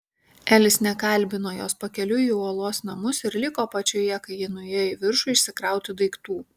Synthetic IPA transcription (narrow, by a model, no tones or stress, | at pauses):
æːlʲɪsnʲɛkɐˑlʲˑbʲɪnoːjoːspɐkʲɛlʲʊiuɔlˠoːsnɐmʊsɪɾlʲɪkoːpɐt͡ʃʲoːjɛkɐɪjɪnʊjɛːjɪʋʲɪɾʃʊɪʃʲsʲɪkɾɑˑʊt̪ʲɪd̪ɐɪkt̪uː